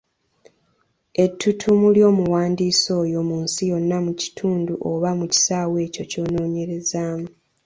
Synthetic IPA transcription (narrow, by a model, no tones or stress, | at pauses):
e̞tːutʰumuljo̞ːmuwaːndiːso̞ːjo̞muːnsijo̞nːamuci̥tʰuːnduʔoβamuci̥saːwe̞ːco̞co̞ːno̞ːɲe̞ɾe̞zaːmu